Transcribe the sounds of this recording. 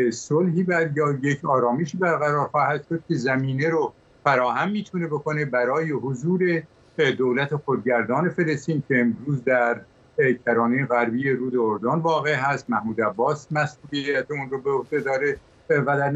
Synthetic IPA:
solɦiːbæd̪jɒːje̞cʰɒːɾɒːmeʃiːbæɾɣæɾɒːɾxɒːhæd̪̥ʃo̞d̪̥̚cʰʲe̞zæmiːneɾo | fæɾɒːhæmːiːt̪ʰune̞bo̞kʰo̞ne̞bæɾɒːjeɦozuːɾe | d̪oːlæt̪ʰexod̪̚ɟæɾd̪ɒːne̞fe̞lest̪iːncʲʰe̞ːmɾuːzd̪æɾ | cʰæɾɒːnejeɣæɾbiːje̞ɾuːd̪eoɾd̪onvɒːɣe̞ɦæst̪mæhmuːd̪æbːɒːsmæsuːlijæt̪ʰeunrobeohd̪e̞d̪ɒːɾe | væd̪æɾ

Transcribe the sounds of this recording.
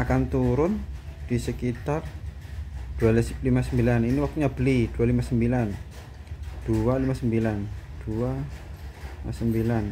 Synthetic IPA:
akant̪uɾʊnd̥isəkit̪ar | d̥uallimasəmbilaniniwak̚t̪uɲabəlid̥ualimasəmbilan | d̥ualimasəmbiland̥ua | limasəmbilan

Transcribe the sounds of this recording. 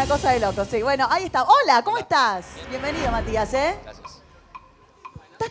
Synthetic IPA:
ako̞saðelo̞kosiβwe̞no̞ʔaiest̪aolako̞moest̪asbje̞mbeniðo̞mat̪iase | t̪a

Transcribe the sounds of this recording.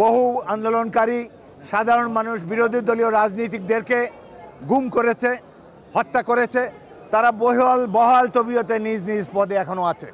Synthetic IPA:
boɦuand̪olonkaɾi | ʃad̪ʱaɾonmanuʃbiɾod̪ʱid̪olioɾad͡ʑnit̪̬ik̚d̪eɾke | ɡumkoɾet͡ɕʰe | hɔt̪ːakoɾet͡ɕʰe | t̪aɾaboɦoalbɔɦalt̪obiot̪enid͡ʑnid͡ʑpɔd̪eɛkʰonoat͡ɕʰe

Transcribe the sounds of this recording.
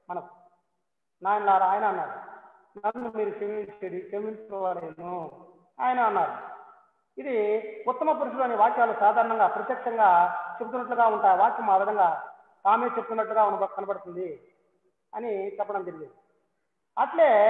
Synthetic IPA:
mɐnɐku̥ | naːjɐmlaːɾuaːjɐnɐːnːaːɾu | nɐnːumiːɾut͡ʃemit͡ʃeɽit͡ʃemint͡ʃɾɔʋɐleːnu | aːjɐnaːnːaːɾu | id̪iut̪ːɐmɐp̬uɾuʂ̬uloːniʋaːkjaːlusaːd̪ʱaːɾɳɐŋɡaːpɾɐt̪jɐkʂɐŋɡaːt͡ʃebut̪unːɐʈ̬luɡaːuɳʈaːjʋaːkjɐmːɐʋid̪ɐŋɡaː | t̪aːme̞ːt͡ʃebut̪unːɐʈluɡaːunːɐbɐkɐnɐpɐɽut̪und̪i | ɐnit͡ʃɛpːɐɽɐmd͡ʒ̪eɾiɡind̪i | ɐʈle̞ː

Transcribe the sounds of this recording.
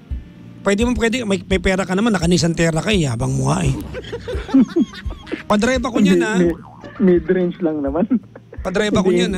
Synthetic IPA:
pwɛːd̪ɪmapwɛd̪ɪmɐjmɐjpɛːɾɐkɐnɐmanːɐkɐniːs̬ɐnt̪ɛːɾɐkɐɪjaːbɐŋmʊhaʔɛ | pɐd̪ɾajbɐkʊɲɲanɐɛ | mɛd̪ɾɛnt͡ʃlɐŋnɐmanpɐd̪ɾajbɐkʊɲan

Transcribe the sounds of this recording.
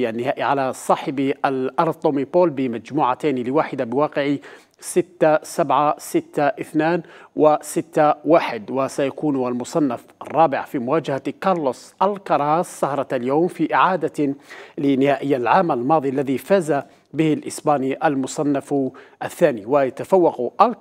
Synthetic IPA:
ʔanːɪhaːʔiʕalasˤɑːħɪbʔalʔɑɾˤt̪ˤʊmipoːlbɪmad͡ʒmuːʕat̪aːnlɪwaːħɪd̪abɪwɑːqɪʕi | sɪt̪ːasabʕasɪt̪ːaʔɪθnaːnwʔɪsɪt̪ːawaːħɪd̪wasajakuːnalmʊsˤɑnːafʔɑrˤːɑːbɪʕfimʊwaːd͡ʒahakɑɾˤlʊsˤʔalkɑɾˤɑːsːɑhɾˤɑaljaːmfiʔɪʕaːd̪alɪnɪhaːʔɪjːalʕaːmalmɑːðˤiʔalːaðifaːza | bɪhɪlʔɪsbaːniʔalmʊsˤɑnːafʔaθːaːniwajat̪afawːɑqʔa

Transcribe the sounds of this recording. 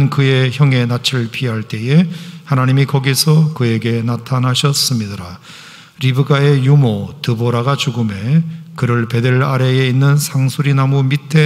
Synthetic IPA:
nkɯje̞çjʌŋe̞nat͡ɕʰɯɭpʰiɦaɭt͈e̞e̞hanaɲimikʌɡisʰʌkɯe̞ɡe̞natʰanɦaɕʰʌs͈ɯmɲidɯɾa | ɾibɯɡae̞jumotɯboɾaɡat͡ɕuɡɯme̞kɯɾɯɭpe̞deɾaɾe̞einːɯnsʰaŋsʰuɾinamumitʰe̞

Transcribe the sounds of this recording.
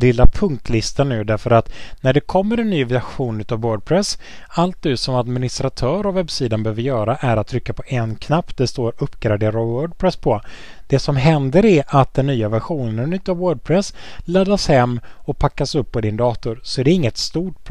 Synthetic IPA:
lɪlːapʰɵŋk̚t̪ʰlɪst̪anːʉ̟ːd̪æɾfəɾat̪næɖɛkʰɔmːəɾɛnːyːvæɧuːnʉ̟ːt̪avwœːɖ̚pʰɾɛs | alt̪̚nʉ̟ːsɔmad̪mɪnɪst̪ɾat̪ʰœːɾɔvɛbsiːd̪anbøːvəɾjœːɾaʔæɾat̪ʰːɾʏkːapʰɔʔɛnkʰnaptd̪ɛst̪oːɾɵpːɡɾad̪eːɾawœːɖpʰɾɛspʰɔ | d̪̥ɛsɔmɦɛnd̪əɾæɾʔat̪̚d̪ɛnːyːavæɾɧuːnənɛnʉ̟ːt̪ːavwœːɖ̚pʰɾɛslad̪ːashɛmːɔpʰakːasɵpːɔd̪ɪnd̪ɑːt̪ʊɾsɔæɖɛɪŋːət̪st̪uːʈ

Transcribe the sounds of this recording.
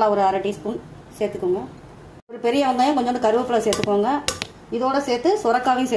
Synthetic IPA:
laɔɾɯaɾɐʈːiːspun | seːɾt̪ːɯkːɯŋɡɐ | ɔɾɯpɛɾɪjɐʋɐŋɡɐjãːkɔɲd͡ʒɔ̃nd̪ɯkɐɾɯʋɐpːɯlɐseːɾt̪ːɯkːɯʋaːŋɡɐ | ɪðoːɽɐseːɾt̪ːɯsʊɾɐkːaːʋɐj̃se

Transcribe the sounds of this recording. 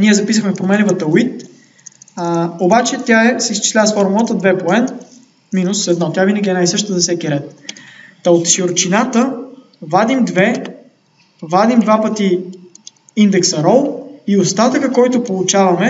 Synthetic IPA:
niɛzɐpis̬əxmɛpɾomɛnɛvɐt̪ɐwit̪ | obat͡ʃɛt̪ʲaɛsɛist͡ʃɛ̥slʲasfɔɾmˠət̪əd̪vɛpoɛn | minʊsɛd̪nɔt̪ʲjavinɐɡʲiɛnajsɤʃt̪əzɐfsɛkiɾɛt̪ː | ɐot̪ʃioɾt͡ʃinat̪ə | vad̪imd̪vɛ | vad̪imd̪vapət̪i | ind̪ɛksɐɾɔlˠiost̪at̪əkəkɔjt̪ʊpolˠʊt͡ʃavɐmɛ

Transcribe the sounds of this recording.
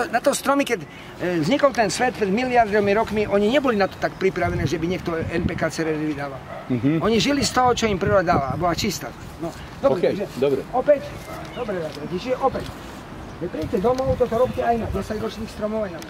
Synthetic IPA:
t̪ɔnat̪ɔst̪ɾɔmikɛɟ | vzɲikɔlt̪ɛnsʋɛt̪̚pɾɛd̪miliaɾd̪ɔmiɾɔkmiʔɔɲiɲɛbɔlinat̪ɔ̥t̪akpɾipɾaʋɛnɛːʒɛbiɲɛk̚t̪ɔɛnpɛːkaːt͡sɛɾɛɾd̪iʋid̪aːʋalɔɲiʒilist̪ɔɦɔt͡ʃɔimpɾiɾɔd̪aːʋa̰bɔlat͡ʃist̪a̰ːt̪anɔ | d̪ɔɾbɛtaɡʒɛd̪ɔbɾɛɔpɛc | d̪ɔbɾɛʋɛʋɛcit͡ʃiʒɛʔɔpɛc | ʒɛpɾiɟcɛd̪ɔmɔʊt̪ɔt̪ɔɾɔpcɛajnaɟɛsaɟɾɔt͡ʃniːxst̪ɾɔmɔʊajna

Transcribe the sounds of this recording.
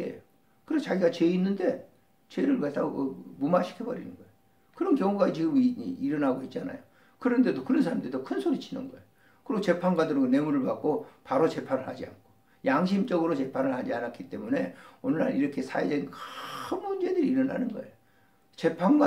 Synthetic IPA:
ḛjo | kɯɾest͡ɕaɡiɡat͡ɕe̞inːɯnde̞ | t͡ɕeɾɯɭkat͈aɡokɯmumaɕʰi̥kʰebʌɾḭnɯnɡʌejo | kɯɾʌnkjʌŋuɡat͡ɕiɡɯmiɾʌnaɡoit̚t͡ɕ͈ana̰jo | kɯɾʌnde̞dokɯɾʌns̬ʰaɾamdedokʰɯnsʰoɾit͡ɕʰinɯ̰nɡʌejo | kɯɾiɡot͡ɕe̞pʰanɡwadɯɾʌɡone̞muɾɯɭpak͈opaɾot͡ɕe̞pʰanɯɭhad͡ʑia̰nkʰo̥ | jaŋɕ̬ʰimt͡ɕʌɡɯɾot͡ɕe̞pʰanɯɭhad͡ʑianak͈ʰit͈e̞mune̞onɯɾaniɾʌkʰe̞sʰa̰ed͡ʑenkɯnmund͡ʑe̞dɯɾiiɾʌna̰nɯnɡʌe̞̰jo | t͡ɕe̞pʰanɡwa

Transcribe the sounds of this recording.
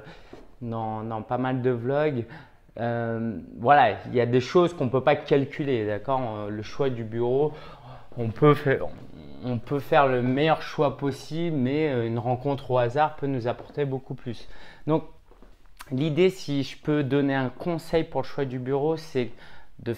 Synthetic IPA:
d̪ɑ̃d̪ɑ̃pamald̪əblɔɡ | øvwalailjad̪eʃozkɔ̃pøpakalkʲyled̪akɔʁləʃwad̪ybyʁo | ɔ̃pøfɛ̰ | ɔ̃pøfɛʁləmɛjœʁʃwapɔsiblmɛøynʁɑ̃kɔ̃t̪χoazaʁpønuzapɔʁt̪ebokuplysd̪ɔ̃k̚ | lid̪esiʒəpød̪ɔneɛ̃kɔ̃sɛjpuʁləʃwad̪ybyʁosɛd̪ə

